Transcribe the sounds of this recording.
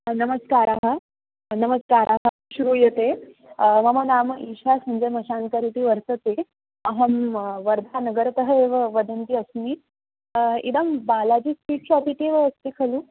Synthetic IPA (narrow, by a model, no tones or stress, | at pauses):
nəməskaɾaɦə | nəməskaɾʔaɦə | ɕuɾuːjet̪e | məmənaːmʔiɕasməɲd͡zeməɕankəɾit̪iːʋəɾsət̪e | əɦəmʋəɾd̪ʱanəɡəɾt̪əɦəeʋəʋəd̪ənt̪iːəsni | ḭd̪əmbalad͡ʑiːspiːʈ̚t͡ɕɔpit̪eʋəəst̪ekʰəluː